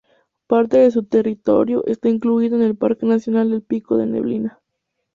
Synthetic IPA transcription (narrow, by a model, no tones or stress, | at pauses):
paɾt̪e̞ðe̞s̬ut̪e̞rit̪o̞̰ɾjo̰ʔe̞̰st̪aiŋkluiðo̞ene̞lpaɾke̞nasjo̞nald̪e̞lpiko̞ðe̞̰nḛβlina